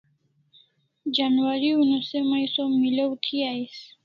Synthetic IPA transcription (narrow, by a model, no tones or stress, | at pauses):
d͡ʒanwaɾiunosemajsomiləwt̪ʰiais